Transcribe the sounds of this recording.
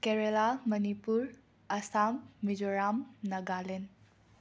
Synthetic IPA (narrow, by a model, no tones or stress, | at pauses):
keɾelamɐnipuɾ | ɐsamːid͡ʒoɾamnɐɡalen